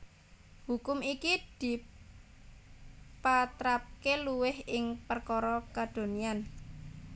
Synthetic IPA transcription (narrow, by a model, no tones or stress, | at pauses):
hukʊmikid̪̥i̤ | pat̪ɾap̚keluwɪhɪŋpərkɔɾɔkad̪̥o̤nian